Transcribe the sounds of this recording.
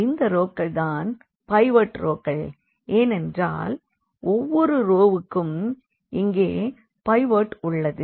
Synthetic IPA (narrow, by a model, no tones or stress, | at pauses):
ɪnd̪ɐɾoːkːɐɭt̪aːn | pɐɪʋɐʈɾoːkːɐɭ | eːnɛndra̰ːl | ɔʋːɔɾɯɾoːʋɯkːɯm | ʔɪŋɡeː | pɐɪʋɐʈʊɭːɐðɯ